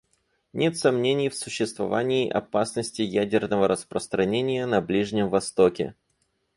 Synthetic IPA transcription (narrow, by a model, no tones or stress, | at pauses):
nʲe̞t̪sɐmnʲenʲɪjfsʊɕːɪst̪vɐ̰va̰nʲɪːʔɐ̰pasnəsʲtʲɪjædʲɪrnəvəɾəspɾəst̪ɾɐnʲenʲɪjənɐblʲiʐnʲɪmvɐst̪okʲɪ̰